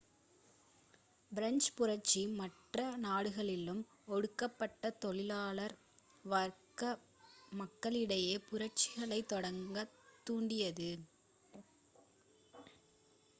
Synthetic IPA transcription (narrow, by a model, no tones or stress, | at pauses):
bɪɾɐɲd͡ʒpʊɾɐɾt͡ʃːimɐʈrɐnaːɽɯɣɐɭɪlɯm | ɔɽɯkːɐpːɐʈːɐt̪ɔɭɪlaːɭɐɾ | ʋɐɾkɐ | mɐkːɐɭɪɽɐjeːpʊɾɐɾt͡ʃɪɣɐɭɐɪt̪ːɔɽɐŋɡɐt̪ːuːɳɖɪjɐðɯ